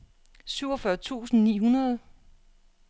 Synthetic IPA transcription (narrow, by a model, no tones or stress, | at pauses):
syʊ̰ɒfɶɐt͡sʰṵːsn̩nḭːɦunɐð̞ˠ